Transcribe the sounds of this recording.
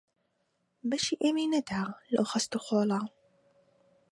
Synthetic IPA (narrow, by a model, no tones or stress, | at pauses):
bɐʃiːʔeminɐd̪aːlɐ̰wxɐst̪uxoːlɑ